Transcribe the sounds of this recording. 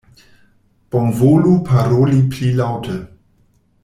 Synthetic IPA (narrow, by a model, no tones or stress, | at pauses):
b̥ɔ̃ŋvolupʰaɾolipʰlilawtə